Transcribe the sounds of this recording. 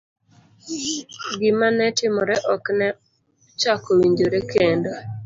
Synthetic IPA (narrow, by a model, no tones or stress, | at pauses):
ɡɪmanɛtɪmɔɾɛʔɔknɛ | t͡ʃakowiɲd͡ʒoɾekendo